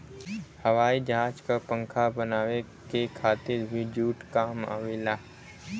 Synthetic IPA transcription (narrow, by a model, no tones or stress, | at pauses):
həʋaːid͡ʒãːt͡ʃkapə̃ŋkʰabənaːʋe | kekʰaːt̪ɪɾbʱid͡ʒuːʈkaːma̰ːʋelaː